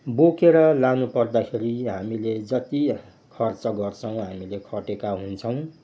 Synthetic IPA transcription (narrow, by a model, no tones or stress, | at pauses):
bokeɾʌlanupʌrd̪akʰeɾiɦamiled͡zʌt̪i | kʰʌrt͡sʌɡʌrt͡sʰʌw̃ɦamilekʰʌʈekaɦunt͡sʰʌw̃